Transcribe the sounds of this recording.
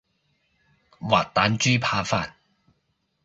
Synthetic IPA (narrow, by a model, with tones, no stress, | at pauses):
wa̰ː˨˩t̚t̪aː˨˥nt͡ʃyː˥pʰaː˧faː˧t̚